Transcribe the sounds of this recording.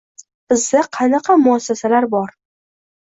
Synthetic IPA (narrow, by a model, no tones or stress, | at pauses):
b̥ɪzd̪aqʰɑnɑqʰɑmʊasːasalaɾbɒɾ